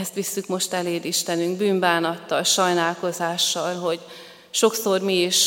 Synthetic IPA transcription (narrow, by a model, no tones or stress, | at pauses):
ɛst̪ʋisːykmo̞ʃt̪ɛleːd̪iʃt̪ɛnyŋɡ̚byːɱbaːnɒt̪ːɒlʃɒjnaːlko̞zaːʃːɒlɦo̞ɟ | ʃo̞kso̞rmiiʃ